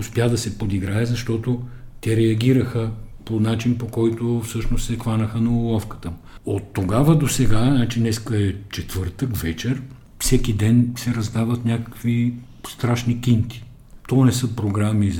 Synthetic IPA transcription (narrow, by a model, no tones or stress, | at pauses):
ʊspjad̪ɐsɛpod̪iɡɾaɛzɐʃt̪ɔt̪ot̪ɛɾɛɐɡʲiɾəxəponat͡ʃinpokɔjt̪ofsɤʃnost̪sɛxlanəxənɐolˠɔfkə̥t̪əm | ot̪ːoɡavəd̪osɛɡanat͡ʃinɛskəɛt͡ʃɛt̪vɤɾt̪əkvɛt͡ʃɛɾ | fsɛk̟id̪ɛnsɛɾɐzd̪avət̪nʲakə̥kvi | st̪ɾaʃnikʲint̪i̥ | t̪ɔnɛsɤpɾoɡɾami